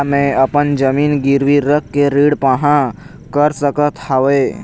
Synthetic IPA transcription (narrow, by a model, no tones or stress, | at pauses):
mẽəpənd͡ʒəmiːnɡɪɾʋiɾəkːeɾiːɽpãɦã | kəɾsəkət̪haʋeː